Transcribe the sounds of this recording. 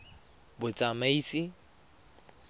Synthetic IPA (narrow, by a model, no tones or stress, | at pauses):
bʊt͡sʼamaisɪ